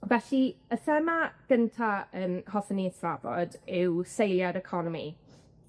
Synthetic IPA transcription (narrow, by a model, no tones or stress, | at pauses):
vɛɬiəθəmaɡ̥əntʰaənhɔθənisvavɔ̰dɪwsejlˠjadɛkʰɔnɔmḭ